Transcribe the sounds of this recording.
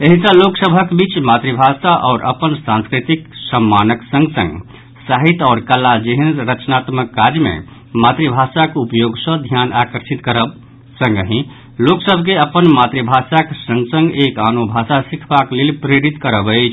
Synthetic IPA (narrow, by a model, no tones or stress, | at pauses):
eɦisə̃loksəbʱəkbit͡ʃmat̪ɾibʱasaʔɔːɾʔə̰pənsãnskɾit̪iksəmːanəksə̃ŋɡsə̰̃ŋɡ | saɦit̪ɔːɾkəlːad͡ʒeɦənɾət͡ʃnat̪məkːaɾjmḛ̃ | mat̪ɾibʱasakupjoɡsə̃d̪ʱjanakəɾsit̪kəɾəb | sə̃ŋɡɦĩ | loksəbʱkeəpənmat̪ɾibʱasaksə̃ŋɡsə̃ŋɡekanobʱasasikʰbaklelpɾeɾit̪kəɾəbət͡ʃʰ